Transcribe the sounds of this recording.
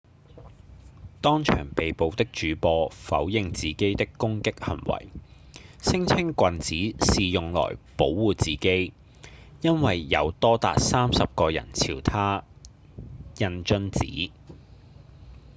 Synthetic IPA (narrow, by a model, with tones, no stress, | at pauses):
t̪ɔː˥ŋt͡ʃʰœ̰ː˨˩ŋpe˨jpo˨˧wt̪ɪ˥k̚t͡ʃyː˨˥pɔː˧fɐ̰˨˥wjɪ˨˧ŋt͡siː˨˩ke˥jt̪ɪ˥kːʊ˥ŋkɪ˥k̚hɐ̰˨˩nwɐ̰˨˩j | sɪ˥ŋt͡sʰɪ˥ŋkʷɐ˨nt͡siː˨˥siː˨jʊ˨ŋlɔ̰ː˨˩jpo˨˥wːuː˨t͡siː˨ke˥j | jɐ˥nwɐ˨jːɐ̰˨˧wt̪ɔː˥t̪a̰ː˨t̚saː˥msɐ˨p̚kɔː˧jɐ̰˨˩nt͡sʰiː˨˩wt̪ʰaː˥ | jɐ˧nt͡ʃɵ˥nt͡sḭː˨˥